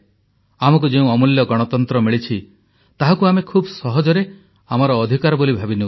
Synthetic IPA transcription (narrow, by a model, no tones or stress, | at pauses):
amɔk̬ud͡ʒeũɔmuljɔɡɔɽ̃ɔt̪ɔnt̪ɾɔmiɭit͡ʃʰi | t̪aɦakuamekʰubɔsɔɦɔd͡ʒɔɾe | amaɾɔːd̪ʱikaɾɔbolibʱabinu